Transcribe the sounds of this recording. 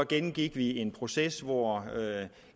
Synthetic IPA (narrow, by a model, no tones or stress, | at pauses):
ɒ̽ɡ̥enn̩ɡ̥iɡ̥ʋie̝npʰʁo̝sesʋɒ